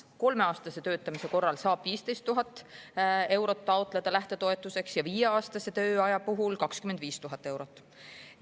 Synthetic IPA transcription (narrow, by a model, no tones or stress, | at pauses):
ko̞lme̞ɑːst̪ɑse̞t̪ø̞ːt̪ːˑɑmise̞ko̞rːɑlsɑːb̥viːst̪e̞jst̪ːuɦɑt̪ːˑ | e̞wɾo̞t̪ːɑot̪ˑle̞d̪̥ɑlæht̪e̞t̪o̞e̞t̪ˑːuse̞ksjɑviːjeɑːst̪ɑse̞t̪øːɑjɑpuɦulkɑkskymend̪viːst̪uɦɑt̪ːˑe̞wɾo̞t̪ːˑ